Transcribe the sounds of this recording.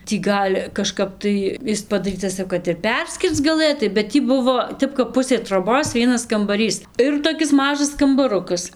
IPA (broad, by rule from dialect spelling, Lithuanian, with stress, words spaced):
tʲiː ˈɡɐlʲ kɐˈʃkɐp tɐɪ ˈɪs pɐdɐˈrʲiːtɐs jɛʊ kɐt ɪr ˈpʲɛrʲsʲkʲɪrt͡s ɡɐˈlˠɘtɐɪ bʲɛt ˈtʲiː ˈbʊʋoː ˈtʲɛp kɐp ˈpʊsʲeː troːˈboːs ˈʋʲiɛnɐs kɐmbɐˈrʲiːs ˈɪr toːˈkʲɪs ˈmɑːʒɐs kɐmbɐˈrʊkɐs